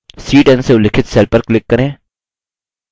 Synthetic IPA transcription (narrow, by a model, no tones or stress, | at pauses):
siːʈɛnseʊlɪkʰɪt̪sɛːlpəɾklɪkːɐɾẽː